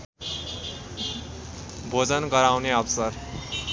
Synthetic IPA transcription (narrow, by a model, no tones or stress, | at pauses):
bʱod͡zʌnɡʌɾawneʌbsʌr